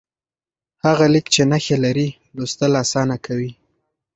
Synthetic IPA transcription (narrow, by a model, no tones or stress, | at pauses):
haɣalikt͡ʃenaxelaɾi | lost̪əlasɑnakawi